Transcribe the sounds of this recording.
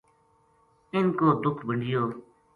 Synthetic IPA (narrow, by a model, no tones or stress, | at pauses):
ɪnkoːd̪ʊkʰbəɳɖɪjoː